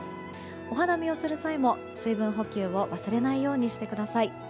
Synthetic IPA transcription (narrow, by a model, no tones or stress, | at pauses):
o̞ɦanamʲio̞sɨɾɯ̟saimo̞ | sɨibɯ̟̃ɰ̃ɦo̞kʲɨːβo̞βasɨɾe̞naijo̞ːɲ̟iɕi̥t̪e̞kɯ̟d̪asai